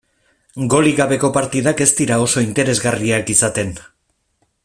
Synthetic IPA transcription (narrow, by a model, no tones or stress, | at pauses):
ɡo̞liɣaβe̞ko̞paɾt̪iðake̞st̪iɾao̞so̞int̪e̞ɾe̞zɣariakisat̪e̞n